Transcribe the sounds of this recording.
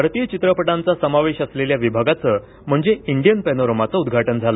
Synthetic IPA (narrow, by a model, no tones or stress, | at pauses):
bʱaɾt̪ijət͡ɕit̪ɾəpəʈãnt͡sasəmaʋeɕəsleljaʋibʱaɡat͡səː | m̤əɳd͡zeiɳɖijənpænoɾəmat͡səud̪ɡʱaʈənd͡zʱalə